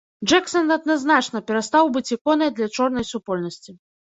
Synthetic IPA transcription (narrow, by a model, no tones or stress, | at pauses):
ʐɛksɐnɐd̪naznat͡ʂnɐpʲɛɾast̪awbɨt͡sʲikɔnɨd̪lʲɐt͡ʂɔrnɐjsupɔlʲnɐsʲt͡sʲi